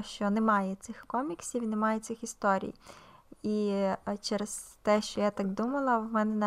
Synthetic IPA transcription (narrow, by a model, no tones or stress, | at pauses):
ʃt͡ʃɔnemɑjɛt̪sɪxkɔmʲiksʲiwnemɑjɛt̪sɪxist̪ɔɾʲḭj | it͡ʃɛɾest̪ɛʃt͡ʃɔjat̪ɑkd̪umɐlˠɐwmɛnɛnɐ